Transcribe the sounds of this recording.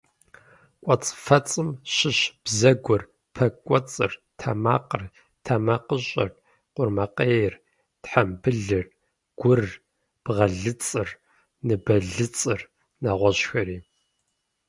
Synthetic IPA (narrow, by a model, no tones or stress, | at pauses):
kʷʼɔt͡sʼfɐt͡sʼɨmɕɪɕb̥zɐɡʷɔr | pʰɐkʷʼɔt͡sʼɨr | tʰɐma̰ːqər | tʰamɐqəɕʼɐ̰r | qʷʊrmɐqʼeːjr | tħambɨɮɨr | ɡ̥ʷʊr | b̥ʁɐɮɨt͡sʼɨr | nɨbɐɮɨt͡sʼɨr | naːʁʷɔɕxɐɾiː